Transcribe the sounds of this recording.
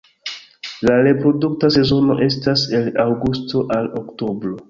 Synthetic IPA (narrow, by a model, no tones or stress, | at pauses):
laɾe̞pɾo̞duk̚tase̞zo̞no̞̰ʔe̞stase̞lawɡusto̞ʔalokto̞bɾo̞